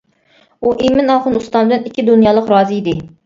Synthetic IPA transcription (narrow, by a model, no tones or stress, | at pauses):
uʔimɪnɑχʊnust̪ɑnd̪ɨnikʲʰːid̪unjɑːlˠəqɾɑːzɨid̪ɪ